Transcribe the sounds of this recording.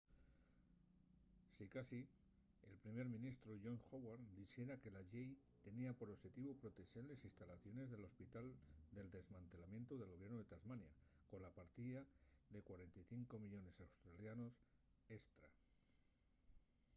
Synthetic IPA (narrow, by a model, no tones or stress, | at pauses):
sikasi | elpɾime̞ɾmĩnist̪ɾoʝo̞ŋxowaɾd̪isje̞ɾake̞laʝej | t̪e̞niapo̞ɾoxe̞t̪iβopɾo̞t̪e̞senlesist̪alaθjo̞ne̞zðe̞lo̞spit̪ald̪e̞ld̪e̞zmãnt̪e̞lamje̞nt̪oðelɣo̞βje̞ɾnoðe̞t̪azmanjako̞nlapaɾt̪iðaðe̞kwaɾe̞nt̪ajθiŋko̞miʎo̞ne̞sawst̪ɾaljano̞s | e̞st̪ɾa